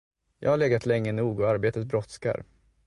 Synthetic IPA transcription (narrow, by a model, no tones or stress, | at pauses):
jɑ̰ːɡhaɭɛːɡat̪ʰlɛŋːənuːɡɔaɾbeːt̪ət̪bɾɔt̪ska̰ɾ